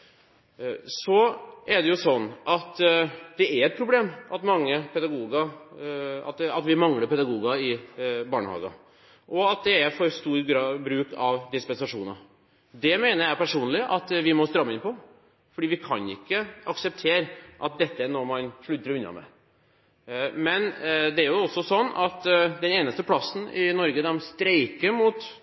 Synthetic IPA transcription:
sɔɛɖɛjʊsɔnːʔɑt̪d̪̥ɛæɾɛt̪̚pʰɾʊb̪eːmʔɑt̪mɑŋːəpʰɛd̪ɑɡuːɡɑ | ɑ̰t̪ɑt̪ʋɪmɑŋləpʰɛd̪ɑɡuːɡɑɪbɑːɳəhɑ̰ːɡɑ̰ | ʔɔɑt̪̚d̪ɛæɾfɔɾst̪uːɾɡɾɑbɾʉːkʰɑʋd̪ɪspɛnsɑʂuːnɑ | d̪ɛmeːnəɾjæɪpæʂuːnlɪʔɑt̪ʋɪmɔst̪ɾɑmːəɪnpʰɔ | fɔɖiːʋɪkʰɑ̰nɪ̰kːəɑksəp̚t̪ʰeːɾʔɑt̪̚d̪ɛt̪ːənɔmɑnʂɭʉt̪ːəɾɔʉnːɑ̰mɛ̰ | mɛnd̪ɛæɾjʊɔsːɔsɔnːɑt̪d̪ɛneːnəst̪əpʰlɑsːn̩ɪnɔɾɡəd̪ɛmst̪ɾeɪkəɾmuːt̪

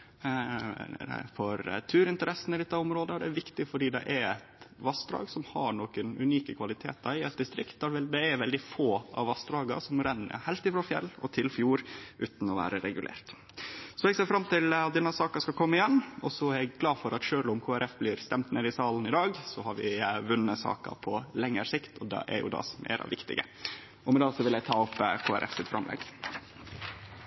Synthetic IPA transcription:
fɔɾ̰t̪ʰʉːɾɪnt̪əɾɛsənɪlɛt̪ːɑʊmɾoːd̪əd̪ɛːɾʋɪkt̪ɪfɔɖiːd̪ɛ̰ʔɛɾɛt̪ʋɑst̪ɾɑ̰ːɡsɔmhɑɳoːkənʉ̰niːkəkʰʋɑlɪt̪ʰḛːt̪̚ɑɪɛt̪̚d̪ɪst̪ɾɪkt̪̚d̪ɑʋd̪ɛɛɾʋɛld̪ɪfoːɑ̰ʋʋɑst̪ɾɑːɡɑ̰sɔmɾænːə̰ɾhæɪlt̪ɪfɾoːfjɛ̰lːɔ̰t̪ʰɪlfjuːɾʔʉ̰ːt̪n̩ɔʋæ̰ːɾəɾɛɡʉlḛːɾt̪ | sɔɛɡseːɾfɾɑmt̪ʰɪlɑt̪̚d̪ɛnːɑsɑːkɑskɑlkʰɔmːəɪjɛnːɔsɔæɾɛɡɡlɑːfɔɾɑt̪ʃøːlɔmkʰoːæɾʔɛfbliːɾst̪ɛmt̪neːd̪ɪsɑːln̩ɪd̪ɑːɡsɔhɑɾʋɪʋʉnːəsɑ̰ːkɑ̰pʰɔlɛŋːəɾsɪkt̪ʰɔd̪ɛ̰ʔɛ̰ɾjʊ̰d̪ɑ̰ːsɔmḛːɾɑ̰ʋɪkt̪ɪ̰ɡə̰ | ɔmɛd̪ɑːsɔʋɪlæɪt̪ʰɑːʊpkʰoːæ̰ɾʔɛ̰fsɪt̪fɾɑ̰mlɛ̰ɡ

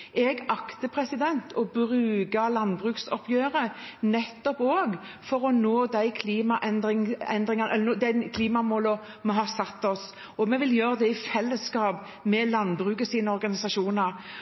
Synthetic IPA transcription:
ɛɡɑkt̪əpʰɾɛsɪd̪ɛnt̪ʰɔbɾʉːɡɑlɑnbʁʉːksɔ̰pʰjøːɾənɛt̪ːɔpoːɡ | fɔɾɔnoːd̪æɪkʰliːmɑʔɛnd̪ɾɪŋɛ̰nd̪ɾɪŋɑnʔɛlːd̪ænkʰliːmɑmoːlə | mɛɦɑsɑt̪ːɔs | ɔmɛʋɪljøːɾəd̪ɛɪfɛlːəskɑːp | mɛlɑnːbɾʉːkəsiːnəɔɾɡɑnɪsɑʂuːnɑɾ

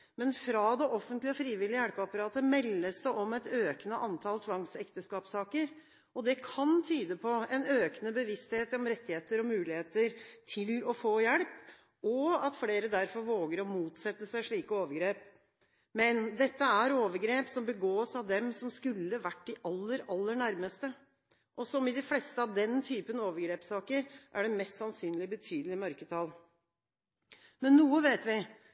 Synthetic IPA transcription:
mɛnfɾɑd̪ɛʔɔfənt̪lɪɔfɾiːʋɪlɪəjæɽpɑpɑɾɑːt̪əmɛlːəsd̪ɛʔɔmɛt̪øːkənəʔɑnt̪ʰɑlt̪ʰʋɑŋsɛkt̪əskɑːpsɑːkəɾ | ɔd̪ɛkʰɑnt̪ʰyːd̪əpʰɔɛnøːkənəbəʋɪst̪heːt̪ɔmɾɛt̪ːɪheːt̪əɾɔmʉːlɪheːt̪əɾt̪ʰɪlɔfoːjɛɽp | ɔɑt̪fɽeːɾəd̪æɾfɔɾʋoːɡəɾɔmuːt̪sɛt̪ːəsæɪʂɭiːkəoːʋəɾɡɾeːp | mɛnd̪ɛt̪ːəæɾoːʋəɾɡɾeːpsɔmbəɡoːsɑʋd̪ɛmsɔmskʉlːəʋæʈːd̪ɪʔɑlːəɾɑlːəɳæɾməst̪ə | ʔɔsɔmɪd̪ɪflɛst̪əɑʋd̪ɛnt̪ʰyːpənoːʋəɾɡɾeːpsɑːkəɾʔæ̰ɖɛmɛst̪sɑnsyːnlɪbət̪ʰyːd̪l̩ɪmœɾkət̪ʰɑl | mɛnːuːəʋeːt̪ʋɪ

